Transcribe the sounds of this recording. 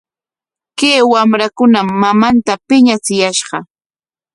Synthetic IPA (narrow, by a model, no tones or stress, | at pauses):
keːwamɾakʊnamːamant̪apɪɲat͡sɪjaʃɢɑ